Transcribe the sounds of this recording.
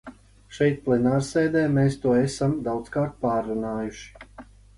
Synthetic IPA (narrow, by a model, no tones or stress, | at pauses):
ʃɛjt̪̚plˠɛnaːɾseːd̪ɛːmeːst̪uɔɛsamd̪awt̪skaːɾt̪̚paːɾːunaːjuʃi̥